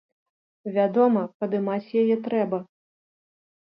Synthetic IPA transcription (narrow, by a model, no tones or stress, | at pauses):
vʲad̪ɔmɐkɐd̪ɨmat͡sʲjajɛt̪ɾɛbɐ